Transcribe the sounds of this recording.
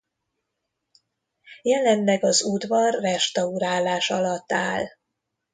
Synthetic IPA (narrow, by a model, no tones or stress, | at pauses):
jɛlɛnːɛɡɒzud̪vɒrːɛʃt̪ɒuɾaːlaːʃɒlɒt̪ːaːl